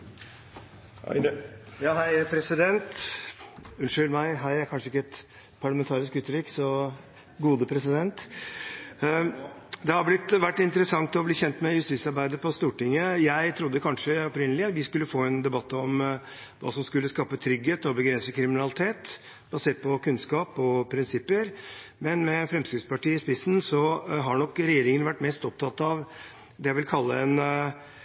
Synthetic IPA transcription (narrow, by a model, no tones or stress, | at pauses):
jɑːɦæɪpʰɾɛsɪd̪ɛnt̪ | ʉnʂʏlmæɪɦæɪæɾkɑnʂəɪkːəɛt̪ | pʰɑɭmɛnt̪ʰɑːɾɪskʉt̪ːəɾɪksɔ | ɡuːd̪əpʰɾɛsɪd̪ɛnt̪ | d̪ɛhɑblɪt̪ːʋæʈːɪnt̪əɾəsɑŋt̪ɔbliːçɛnt̪mɛjʉst̪iːsɑɾbæɪd̪əpʰɔst̪uːʈɪŋːəjæɪt̪ʰɾʊd̪ːəkʰɑnʂəɔpɾɪnəlɪɑt̪ʋɪskʉlːəfoːɛnd̪ɛbɑt̪ːɔm | ʋɑ̰ːsɔmskʉlːəskɑːpət̪ʰɾʏɡeːt̪ɔbəɡɾɛnsəkʰɾɪmɪnɑlɪt̪ʰeːt̪ | bɑseːʈ̚pʰɔkʉnskɑːpɔpʰɾɪnsɪpːəɾmɛnmɛfɾɛmskɾɪt̪spɑʈiːɪspɪsn̩sɔɦɑɳɔkːɾɛjeːɾɪŋənʋæʈːmɛst̪ɔp̚t̪ʰɑt̪ːɑʋ | d̪ɛjæɪʋɪlkʰɑlːə̰ɛn